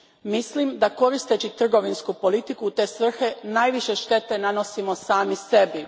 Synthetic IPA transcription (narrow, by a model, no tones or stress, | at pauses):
mislimd̪ako̞ɾist̪e̞t͡ɕit̪r̩ɡo̞ʋinskupo̞lit̪ikut̪e̞ːsʋr̩xe̞naːjʋiʃe̞ʃt̪e̞t̪e̞nano̞simo̞saːmise̞bi